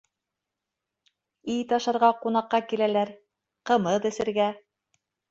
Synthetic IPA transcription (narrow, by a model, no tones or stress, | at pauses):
ijt̪ɑʃɑ̆ɾʁɑqunɑqːɑkilælæɾ | qɤ̆mɤðɘ̆sɘ̆ɾɡæ